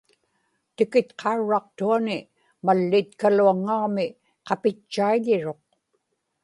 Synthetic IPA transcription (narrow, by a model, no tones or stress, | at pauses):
t̪ɪkɪt̪qʰɑuɻːɑq̚t̪uanɪ | malːɪt̪kaluaŋːɑʁmɪ | qɑpɪt͡ʃːaiʎɪɻo̞q̚